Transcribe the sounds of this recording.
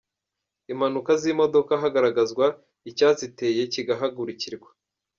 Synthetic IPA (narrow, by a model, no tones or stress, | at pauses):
imhanukazimo̞do̞kaɦaɡaɾaɡazɡwa | icaːzite̞ːje̞ciɡaɦaɡuɾiciɾɡwḁ